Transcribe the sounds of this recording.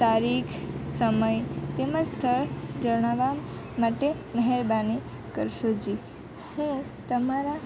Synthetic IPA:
t̪aɾikʰsəməjt̪emãst̪ʰəɾd͡ʒəɽ̃aʋa | maʈe | məɦɛɾbani | kəɾʃod͡ʒi | hũt̪əmaɾa

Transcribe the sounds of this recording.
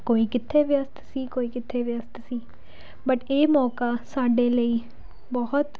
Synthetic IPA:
koːiːkɪt̪ʰːeːʋɪjəst̪ʰsiːkoːiːkɪt̪ʰːeːʋɪəst̪siː | bəʈeːmɔːkaːsaːɖeːləiː | bɔɦʊt̪

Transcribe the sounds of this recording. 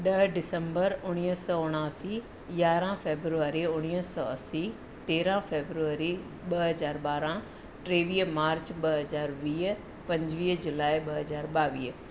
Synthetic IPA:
ɗɐɦɖɪsə̃mbəɾʊɽ̃iːɦsɔːʊɽ̃aːsi | jaːɾãfeːbɾuaːɾiʊɽ̃iːsɔːɐsi | t̪eːɾãfeːbɾuʋaːɾi | ɓɐɦɐzaːɾɓaːɾã | ʈɾeːʋiːmaːɾt͡ɕɓɐɦɐzaːɾʋiːɦ | pɐ̃ɲd͡ʑʋiːɦd͡ʑʊlaːiɓɐɦɐzaːɾɓaːʋiːɦ

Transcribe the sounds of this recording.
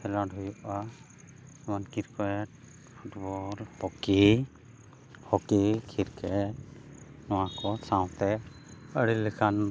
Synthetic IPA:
pʰɛladʱɔjɔʔa | mankiɾkɛt̚ | pʰuʈbɔlhɔki | hɔkikʰiɾkʰɛ | nɔwakɔsaw̃t̪ɛ | əɽilɛkʰan

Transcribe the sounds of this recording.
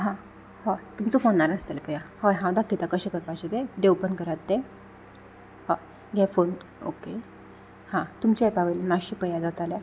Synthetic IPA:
ɦã | hat̪umt͡səfonːaɾəst̪əlepəjãhojɦãwd̪akːit̪akəɕẽkəɾpat͡ɕet̪eɖewpənkəɾat̪̚ːe | ha | ɡʱɛfon | o̰ke | hãt̪umt͡ɕjaepaʋəjlemaɕipəjad͡zat̪alja

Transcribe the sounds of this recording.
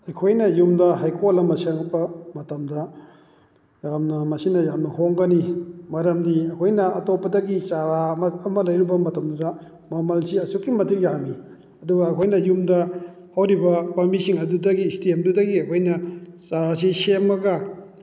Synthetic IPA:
ɐjkʰojnɐjumdɐɦajkʰolɐmɐseŋpɐmɐtɐmdɐ | jamnɐmɐsinɐjamnɐhoŋɡɐnimɐɾɐmdiɐkʰojnɐɐtopːɐdɐɡit͡ʃaɾamɐːmɐlɐjɾubɐmɐtɐmdɐdɐ | mɐmɐlsiɐsukːimɐtʰikjaŋni | ɐduɡɐːkʰojnɐjumdɐ | hɐwɾibɐpɐmisiŋɐdudɐɡistemdudɐɡiɐkʰojnɐt͡ʃaɾas̬isemːɐɡɐ

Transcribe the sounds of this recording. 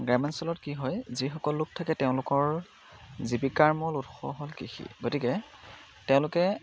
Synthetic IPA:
ɡɹɛmɛnsɔlɔtkiɦɔjzixɔkɔlːʊk̚tʰakɛteʊ̃lʊkɔɹ | zibikaɹmɔlutxɔ̰ɦolkixḭɡotikɛ | tɛʊ̃lʊkɛ

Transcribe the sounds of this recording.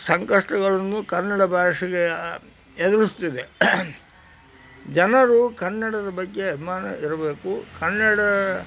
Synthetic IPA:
sɐŋkɐʂʈɐɡɐɭɐnːukɐnːɐɽɐbʱaːʂiɡe | ɛd̪uɾust̪id̪e | d͡ʒɐnɐɾukɐnːɐɽɐd̪ɐbɐɡːe̞ɐbʱimaːnɐ̰iɾɐbe̞ːkukɐnːɐɽɐ

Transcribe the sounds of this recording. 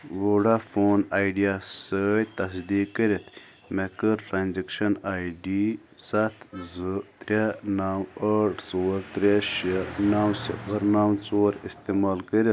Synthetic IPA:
woɖafoːnaːjɖijasəjt̪ɐs̬d̪iːkkəɾet̪ | mekəɾʈɾaːnzekʂɐnaːjɖi | sɐt̪ʰzɨt̪ɾʲenaːwəʈʰt͡soːɾt̪ɾʲeʃenaːwsḭpəɾnaːwt͡soːɾist̪emaːlkəɾit̪

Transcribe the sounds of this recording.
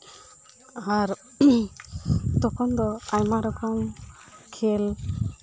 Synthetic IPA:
aɾ | t̪ɔkʰɔnd̪ɔaɲmaɾɔkʰaŋ | kʰel

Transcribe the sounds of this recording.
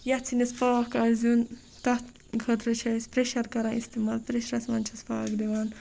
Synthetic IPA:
jɐt͡sʰinɐspaːkazun | t̪ɐt̪ | ɡʱɐt̪ɾɐt͡ʃʰɐsʲpɾeʃɐɾkɐɾãʔist̪emaːlpɾeʃɾɐsmɐnʲt͡ʃʰɐspaːkd̪iʋaːn

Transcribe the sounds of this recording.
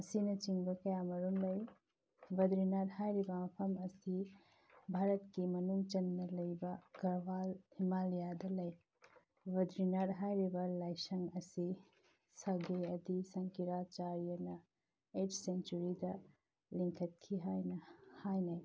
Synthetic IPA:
ɐsinɐt͡ʃiŋbɐkɐjamɐɾumlɐj | bɐd̪ɾinadhajɾibɐmɐpʰɐmɐsi | bʱaɾɐtkimɐnuŋt͡ʃɐnːɐlɐjbɐɡ̥ɐɾbalhimalijadɐlɐj | bɐd̪ɾinaɾɦajɾibɐlajsɐŋɐsi | sɐɡeɐdisɐŋkiɾat͡ʃaɾijɐnɐ | eʈʰsent͡ʃuɾidɐ | liŋkʰɐt̚kʰiɦajnɐhajnaj

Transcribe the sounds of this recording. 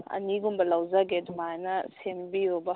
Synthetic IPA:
ɐ̰niɡumbɐlawzaɡedumajnɐsembiɾɔbɐ

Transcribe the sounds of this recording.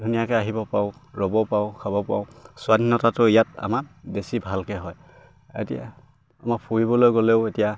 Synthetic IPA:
dʱunijakɛaɦibɔpaʊɹɔbɔpaʊkʰabɔpa̰ʊsʊwadinːɔtatʊijata̰mabesibʱalkɛɦɔj | ḛtija̰ | a̰mak̚pʰuɹibɔlojɡoleʊetija

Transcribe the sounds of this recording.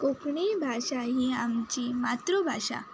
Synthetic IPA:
kokʰɳibʱaɕaɦiamt͡ɕimat̪ɾobʱaʂa̰

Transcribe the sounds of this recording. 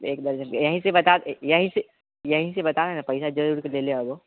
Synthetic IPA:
eːkd̪ɐɾd͡ʒəjɐɦĩsebɐt̪ad̪jɐɦĩse | jɐɦĩs̬ebɐt̪aːanapɐɪʃad͡ʒɐɾuːɾkeleːleaɡoː

